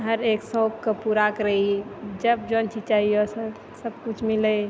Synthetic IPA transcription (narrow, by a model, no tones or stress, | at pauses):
ɦəɾeksɔkkəpuɾakəɾəid͡ʒəb̚d͡ʒont͡ʃid͡ʒt͡ʃaɦijosə | səbkut͡ʃʰmilə